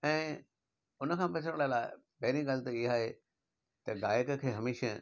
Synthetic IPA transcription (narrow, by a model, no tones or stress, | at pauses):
ɛ̃ː | ʊnəkʰãːpɐt͡ɕʰəɽ̃laːɪlaːɪ | pɐɦɪɾĩɡaːl̆t̪ɐɪɦaːɦeː | t̪ɐɡaːjɪkkʰeːɦɐmeːʃə